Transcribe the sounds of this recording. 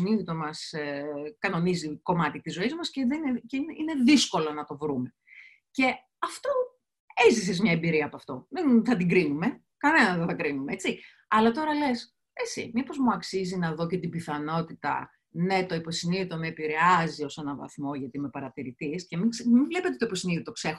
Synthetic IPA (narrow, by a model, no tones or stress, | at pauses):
nit̪omɐsekɐno̞niziko̞mɐt̪it̪izo̞izmɐsceðeneceineðisko̞lo̞nɐt̪o̞vɾume̞ | ce̞ | ɐft̪o̞ | ezise̞zmɲɐembiɾiɐːpoɐft̪o̞ðenθɐt̪iɡɾinume | kɐnenɐðeθɐkɾinumeet͡si | ɐlɐt̪o̞ɾɐle̞s | e̞t͡ssḭmipo̞zmuɐksizinɐðo̞ce̞t̪ibiθɐno̞t̪it̪ɐ̰ | ne̞t̪o̞ipo̞siniit̪oneːpiɾeɐzio̞senɐvɐ̰θmo̞ʝɐt̪imepɐɾɐt̪iɾit̪isce̞mismivlepet̪et̪oipo̞siniðot̪o̞ksex